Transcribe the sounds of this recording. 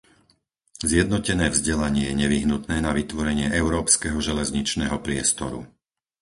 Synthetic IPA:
zjɛd̪nɔcɛnɛːvzɟɛlaɲɪɛjɛɲɛʋiɦnut̪nɛːnaʋit̪ʋɔɾɛɲɪɛʔɛʊɾɔːpskɛɦɔʒɛlɛzɲit͡ʃnɛɦɔpɾɪɛst̪ɔɾṵ

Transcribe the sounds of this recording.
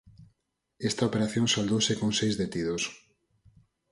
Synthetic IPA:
est̪ɐopeɾaθjõŋsald̪owsekõŋsejzðet̪iðos

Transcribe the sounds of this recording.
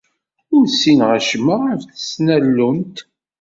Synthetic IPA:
ʊɾsinʁaʃməəfθəsnælːunt̪

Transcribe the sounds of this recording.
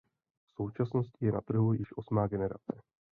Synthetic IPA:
fso̞wt͡ʃasno̞scjɛnat̪r̩ɦujɪʃʔo̞smaːɡɛnɛɾa̰t͡sɛ

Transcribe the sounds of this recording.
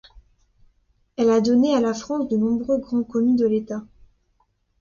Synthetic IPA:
ɛlad̪ɔnealafχɑ̃sd̪ənɔ̃bʁøɡʁɑ̃kɔmỹd̪əlet̪a

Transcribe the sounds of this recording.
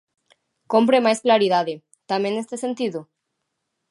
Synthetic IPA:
kompɾemajsklaɾiðaðe | t̪amẽnest̪esent̪iðo

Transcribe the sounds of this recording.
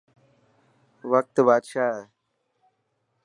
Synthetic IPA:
ʋək̚t̪baːd̪ʃaːɦ

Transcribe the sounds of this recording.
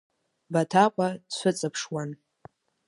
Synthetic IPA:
batʰaqʷʼadt͡ɕʷʰʊt͡sʼapʰʂwan

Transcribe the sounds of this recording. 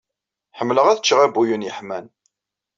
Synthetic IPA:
ħəmːləʁæðət͡ʃːʁæbujənjəħmæn

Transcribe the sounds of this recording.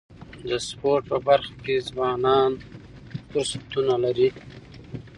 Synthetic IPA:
d̪əspoɾʈ̚pəbaɾxakezwɑːnɑːn | fʊɾsat̪unalaɾi

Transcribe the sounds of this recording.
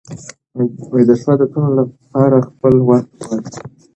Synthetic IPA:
wajd̪aʃwad̪ət̪ololapɑɾaxpəlwaxt̪̚waɾi

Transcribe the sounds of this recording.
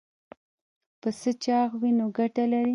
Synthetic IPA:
pəsət͡ʃɑɣwinoɡaʈalaɾi

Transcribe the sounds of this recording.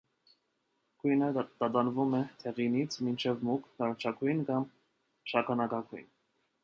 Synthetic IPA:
kujnəd̪̥ɑt̪ɑnvumɛt̪ʰɛʁinit͡sʰmint͡ʃʰɛvmukʰnɑɾɑt͡ʃʰɑkʰujnkɑm | ʃɑkʰɑnɑkɑkʰujn

